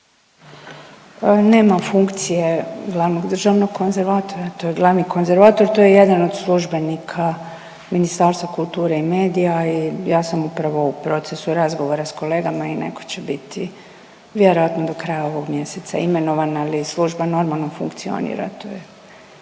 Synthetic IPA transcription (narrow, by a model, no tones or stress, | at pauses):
ne̞ːmafuŋkt̪sije̞ɡlˠaʋnoɡd̪r̩ʒaʋno̞ɡko̞nze̞ɾʋat̪o̞ɾat̪o̞jeɡlˠaʋnikʰo̞nze̞ɾʋaːt̪o̞ɾt̪o̞jeje̞d̪ano̞d̪slˠuʒbe̞nikʰa | minist̪aːɾst̪ʋakulˠt̪uːɾeime̞ːd̪ijaijaːsamupɾaʋo̞upɾo̞t̪sesuɾazɡo̞ʋo̞ɾasko̞le̞ːɡamaine̞̰ko̞̥t͡ɕebit̪ʰi | ʋje̞ɾo̞ʋat̪nod̪o̞kɾajao̞ʋo̞ɡmje̞set̪sa̰ime̞no̞ʋanalislˠuʒbano̞ɾmalˠnofuŋkt̪sio̞̰nḭɾa̰t̪oːje